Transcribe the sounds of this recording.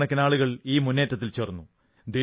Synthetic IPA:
ɳɐkʲːɐnaːɭuɣɐɭiːmunːe̞ːtːɐt̪̬ːilt͡ɕeːrnːu | d̪e

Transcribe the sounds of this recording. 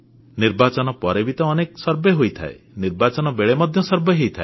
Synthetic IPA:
niɾbat͡ʃɔnɔpɔɾebit̪ɔːneksɔɾbeɦojt̪ʰa̰e | niɾbat͡ʃɔnɔbeɭemɔd̪ʱjɔsɔɾbeɦejt̪ʰae

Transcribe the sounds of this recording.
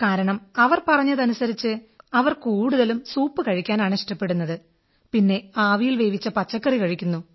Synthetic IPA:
kaːɾɐɳɐmɐʋɐrpɐrɐɲːɐðɐnusɐɾit͡ɕːɨɐʋɐrkuːɽuðɐlumsuːpːɨkɐɻikʲːaːnaːɳɨiʂʈɐpːe̞ɽunːɐðɨ | pinːe̞aːʋijilʋe̞ːʋit͡ɕːɐpɐt͡ɕːɐkːɐrikɐɻikʲːunːu

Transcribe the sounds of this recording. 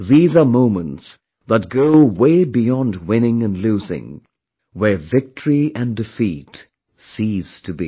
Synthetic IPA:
ðizə˞mõʊ̃mə̃nts | ðət̚ɡ̥oʊweɪbijɑ̃ndwɪ̃nɪ̃ŋɨ̃nlʉzɪ̰̃ŋ | wə˞vɪk̚tʰəɹiɨ̃ndɨfit | siz̥tʰɨbḭ

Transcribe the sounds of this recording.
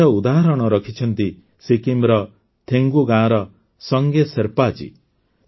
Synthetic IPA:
ɔud̪aɦaɾɔɽ̃ɔɾɔkʰit͡ʃʰɔnt̪i | sekimɾɔ | t̪ʰeŋɡuɡãɔɾɔ | sɔŋɡeseɾpat͡ʃʰḭ

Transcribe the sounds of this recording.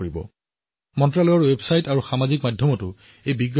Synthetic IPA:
ɹibɔ̰ | mɔntɹalɔjɔɹwebsajtaɹuxamazikmadʱjɔmɔtʊ | ejbiɡ

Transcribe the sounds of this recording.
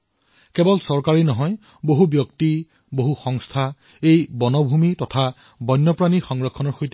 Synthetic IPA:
kɛbɔlsɔɹkaɹinɔɦɔj | boɦubjɔkti | boɦuxɔŋstʰa | ejbɔnɔbʱumitɔtʰa | bɔjnːɔpɹanixɔŋɹɔkʰːɔnɔɹxojt

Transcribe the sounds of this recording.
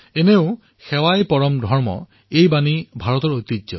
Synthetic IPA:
eneʊ̃ | xɛwajpɔɹɔmdʱɔɹmɔ̰ | ejbanibʱaɹɔt̪ɔɹojt̪izɔ̰

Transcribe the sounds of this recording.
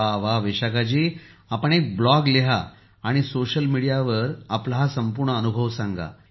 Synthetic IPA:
aʋaʋeɕakat͡ɕiː | apəɳ̃ek̚blɔɡleɦa | aɽ̃isoɕəlmiɽijaʋəɾaplɦasəmpuɾɳəənubʱəʋsãŋɡa̰

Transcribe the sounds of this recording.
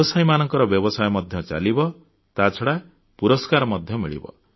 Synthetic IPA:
sajmanʌŋkɔɾɔbjɔbɔsajmʌd̪ʱjʌt͡ʃa̰libɔ | t̪at͡sʰɔɽa | puɾɔskaɾmʌd̪ʱjʌmiɭḭbʌ̰

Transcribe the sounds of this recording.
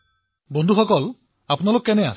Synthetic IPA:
bond̪ʱuxɔkɔl | apnalokɔkenea̰s

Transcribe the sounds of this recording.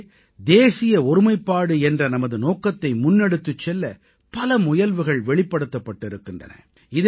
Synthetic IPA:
d̪eːsɪjɐɔɾɯmɐɪpːaːɽɯɛndrɐnɐmɐðɯnoːkɐt̪ːɐɪmʊnːɛɽɯt̪ːɯt͡ʃːɛlːɐ | pɐlɐmʊjɐlʋɯɣɐɭʋɛɭɪpːɐɽɯt̪ːɐpːɐʈːɪɾɯkːɪndrɐ̰nɐ̰ | ɪð

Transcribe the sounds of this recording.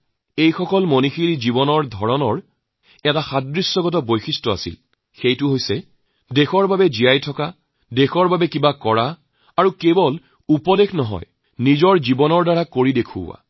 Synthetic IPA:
ejxɔkɔlmonixilizibɔnɔɹdʱɔɹɔnɔɹ | ɛtaxadɹisːɔɡɔt̬ɔbojxistɔa̰sḭl | xejtʊɦojsɛ | dexɔɹbabɛzijajtʰɔka | dexɔɹbabɛkibakɔɹaː | ɹukebɔl | upɔdexnɔɦɔ̰j | nizɔɹzibɔnɔɹdaɹakoɹidekʰʊ̰wa̰

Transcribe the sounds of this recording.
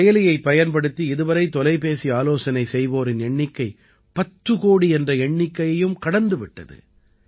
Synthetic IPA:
jɐlɪjɐɪpːɐjɐnpɐɽɯt̪ːiɪðɯʋɐɾɐɪt̪ɔlɐɪpeːsiaːloːsɐnɐɪsɛjʋoːɾɪnɛɳːɪkːɐɪ | pɐt̪ːɯkoːɽiɛndrɐɛɳːɪkːɐjɐjɯmkɐɽɐnd̪ɯʋɪʈːɐ̰ðɯ̰

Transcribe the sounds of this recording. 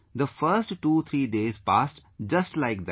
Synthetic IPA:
d̪əfəɾsʈːuːt̪ʰɾiːɖeːzpaːsʈd͡ʒɐsʈlaɪk̚d̪

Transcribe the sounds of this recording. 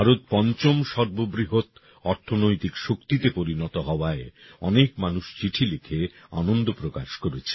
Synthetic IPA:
aɾot̪̚pɔnt͡ɕomʃɔɾbobɾiɦot̪ | ɔɾt̪ʰonojt̪ikʃokt̪it̪epoɾinɔt̪oɦɔoaeɔ̰nekmanuʃt͡ɕiʈʰilekʰea̰nond̪opɾokaʃkoɾet͡ɕʰe̥

